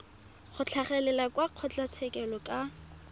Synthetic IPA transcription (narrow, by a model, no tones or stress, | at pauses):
χʊt͡ɬʰaχɛlɛlakwaq͡χʰɔt͡ɬat͡sʰɛkʼɛlɔkʼa